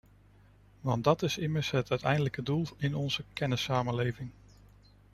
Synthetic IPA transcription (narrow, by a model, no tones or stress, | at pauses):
ʋɑndɑtɪsɪməɹsɦətœɥtɛjndələkədulˠɪnɔnz̥əkɛnəsaːmənlejvɪŋ